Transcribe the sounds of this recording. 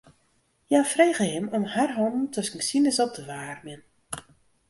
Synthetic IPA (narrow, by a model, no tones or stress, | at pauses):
jafreːɣəhɪmɔmharɦɔndn̩tʰøskŋ̩sinɪsɔp̚dəʋaːrmɪn